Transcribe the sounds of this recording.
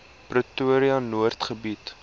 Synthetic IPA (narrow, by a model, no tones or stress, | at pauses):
prətuəɾiɐnuərtχəbit